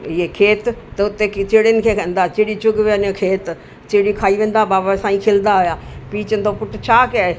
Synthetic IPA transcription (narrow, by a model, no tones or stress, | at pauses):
ɪeːkʰeːt̪t̪əʊt̪ːeːt͡ʃeːɽenkʰeːkə̃nd̪aːt͡ʃeːɽiːt͡ʃʊɡʋənẽkʰeːt̪ | t͡ʃeːɽiːkʰaːiːʋẽːnd̪aːbaːbasaːĩːkʰeːld̪aːɦojaːpiːt͡ʃənd̪oːpʊʈt͡ʃʰaːke